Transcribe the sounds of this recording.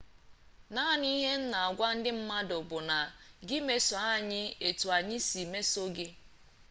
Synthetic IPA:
na˦˨ni˦ɦe˦n̩˦na˨a˨ɡʷa˦n̩˦dɪ˦m̩˦ma˦dʊ˨bʊ˨na˨ɡɪ˦me˨so˨a˦ɲɪ˦e˨tu˨a˨ɲɪ˦si˨me˦so˦ɡɪ˦

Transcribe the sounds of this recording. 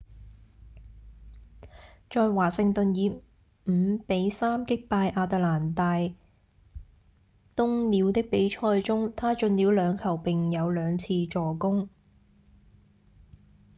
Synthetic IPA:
t͡ʃɔː˧jwaː˨˩sɪ˨˧ŋt̪ɵ˨njiː˨˧ | m̩˨˩˥pe˨˥jsaː˥mkɪ˥k̚paː˧jʔaː˧t̪aː˧laː˨˩nt̪aː˧j | t̪ʊ˥ŋliː˨˧wt̪ɪ˥k̚pe˨˥jt͡ʃʰɔː˧jt͡sʊ˥ŋt̪ʰaː˥t͡ʃɵ˧nliː˨˧˥wlœː˨˧ŋkʰɐ˨˩wpɪ˨ŋjɐ˨˧wlœː˨˧ŋt͡sʰiː˧t͡ʃt͡sɔː˨˧kʊ˥ŋ

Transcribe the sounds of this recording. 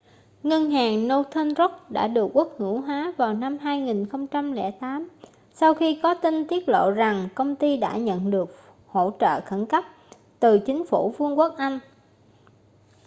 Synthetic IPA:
ŋə˧nɦaː˨˩ŋno˧t̪ʰə˧nzo˦˥k̚ɗa̰ː˧˥ɗɨ˨˩ək̚ːu˦˥ək̚hɨ˧˩ɦwaː˨˦vaː˨˩wna˧mɦaː˧jŋi˨˩nxə˧wŋ͡mt͡ɕa˧mlɛ̰˧˩t̪aː˨˦m | sa˧wxi˧kɔ˨˦t̪i˧nt̪i˦˥ət̚lo̰˧˨za˨˩ŋkə˧wŋ͡mt̪i˧ɗa̰ː˧˥ɲə̰˧˨nɗɨ˨˩ək̚ | ho̰˧˥t͡ɕə̰ː˧˨xə˧˩nka˦˥p̚ | t̪ɨ˨˩t͡ɕï˨˦ŋ̟fu˧˩fɨ˧əŋku˦˥ək̚ʔa˧jŋ̟

